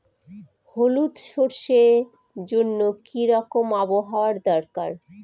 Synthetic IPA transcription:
holut̪ʃoɾʃe | d͡ʑonːokiɾɔkomaboɦaoaɾd̪ɔɾkaɾ

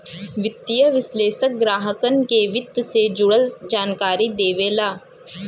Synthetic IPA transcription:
ʋɪt̪ːijəʋɪsleːʃək̚ɡɾaːɦəkənkeʋɪt̪ːsed͡ʒʊɽəld͡ʒaːnkaːɾid̪eːʋeːlaː

